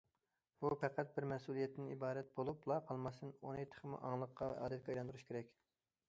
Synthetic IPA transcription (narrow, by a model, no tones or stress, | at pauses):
b̥upɛqʰæt̪̚bɪɾmɛsulˠijɛt̪ːɪnibɑːɾɛt̪̚bolˠuplˠɑqʰɑlˠmɑst̪ɨnonɨjt̪ʰə̥χəmṵʔɑ̰ŋlˠəqːɑɛ̰ʔɑ̰ːd̪ɛt̪̚kʲɑjlˠɑnd̪uɾuʃkʰʲeɾɛkʲ